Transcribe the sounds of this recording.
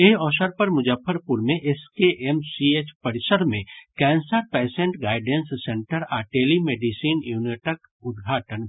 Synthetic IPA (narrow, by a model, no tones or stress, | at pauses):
eɦɔːʃəɾpɐɾmʊd͡ʒəfəɾpʊɾmẽʔeskeʔemsiet͡ʃpəɾɪsəɾmẽkɛ̃ːnsəɾpɛːsẽɳʈɡaːɪɖẽnsːẽɳʈəɾaːʈeːlimeːɖisiːnjuːnɪʈək | ʊd̪ɡʱaːʈən